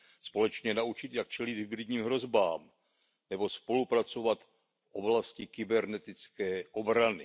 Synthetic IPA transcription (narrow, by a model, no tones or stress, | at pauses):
spo̞lɛt͡ʃɲɛnaut͡ʃɪt̪jak̚t͡ʃɛlid̪ɦɪbɾɪd̪ɲiːmɦɾo̞zbaːm | nɛbo̞spo̞lupɾat͡so̞vat̪ | fʔo̞blascɪkɪbɛɾnɛt̪ɪt͡skɛːʔo̞bɾanɪ